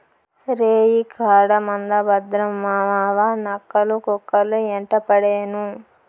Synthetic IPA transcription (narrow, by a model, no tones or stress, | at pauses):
ɾeːjikʰaːɽɐmɐnd̪ɐbɐd̪ɾɐmːaːʋaːʋanɐkːɐlukɔkːɐlueɳʈɐpɐɽeːnu